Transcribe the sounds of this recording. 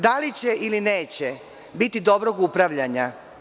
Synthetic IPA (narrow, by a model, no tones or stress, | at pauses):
d̪alit͡ɕeʔilineːt͡ɕe | bit̪id̪o̞bɾoɡupɾaʋʎaɲa